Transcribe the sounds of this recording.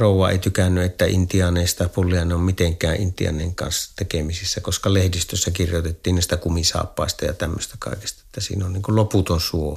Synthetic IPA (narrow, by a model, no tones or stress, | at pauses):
roˑuwˑɑḛˑit̪ykænːyet̪ːæḭnt̪iɑneˑist̪ɑpulːiɑnommit̪eŋkˑæːʔʔint̪iɑ̰nˑeːŋkɑ̰nst̪ekemisisːækoskɑlehdist̪øsːækirjot̪et̪ːiːnniˑst̪ækumisɑ̰ːpːɑˑest̪ɑjɑ̰t̪æmːø̰st̪ækɑ̰ˑeke̥st̪ɑet̪ːæsḭːnonniŋkulloput̪onsuo